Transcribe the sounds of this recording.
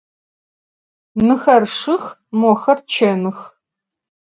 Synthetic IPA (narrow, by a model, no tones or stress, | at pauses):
nɨxɐrʂɨx | mɔxɐrt͡ʃʰɐnɨx